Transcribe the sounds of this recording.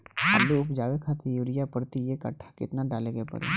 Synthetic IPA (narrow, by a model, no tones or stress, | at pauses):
ɦa̰ːluʊpd͡ʒaːʋekʰaːt̪ejuːɾijapɐɽt̪ijekɐ̰ʈʰːḁkɪ̰t̪naɖaːleɡəepɐ̰ɽḛ